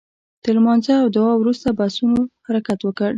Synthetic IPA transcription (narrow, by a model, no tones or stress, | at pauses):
d̪̥əlmɑnzəawd̪awɑwɾust̪abasunohaɾakat̪wəkəɽ